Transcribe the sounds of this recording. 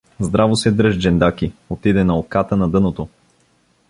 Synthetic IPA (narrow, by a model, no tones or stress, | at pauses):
zd̪ɾavosɛd̪ɾɤʒd͡ʒɛnd̪akiot̪id̪ɛnɐokat̪ənɐd̪ɤnot̪o